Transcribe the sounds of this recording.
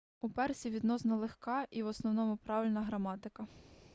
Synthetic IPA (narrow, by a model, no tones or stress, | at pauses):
upɛrsʲiʋʲid̪nɔsnɐlˠexkɑʔiwɔsnɔwnɔmʊpɾɑʋɪlʲnɐɦɾɐmɑt̪ɪkɐ